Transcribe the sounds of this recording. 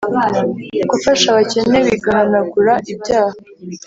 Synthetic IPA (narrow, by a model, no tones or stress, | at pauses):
ɡufaʃaβace̞ne̞wiɡahanaɡuɾaʔibjaːha